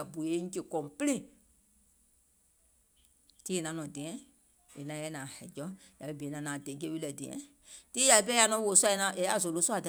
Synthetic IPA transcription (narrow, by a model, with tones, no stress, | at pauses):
a˨bu˨je˦ŋ̩˦ke˨kɔ̃˨pi˦lẽ˦˨ | ti˦e˨nã˨˦nɔ̃˨dɛ̃˨ɛ̃˦ | e˨nã˨˦jɛ˦nãː˨hɛ˨d͡ʒɔ˦ | ja˨i˦be˨˦nã˨˦nãː˨de˨˦k̬e˦wi˦lɛ˨de˨ɛ̰̃˨˦ | ti˦ja˨i˦˧pɛ˦ja˧˦nɔ̃˧˦wo˨su˦a˧ɛ˧˨nã˧˦ʔe˨˦a˦˨zo˨lo˨˦su˦a˨da˨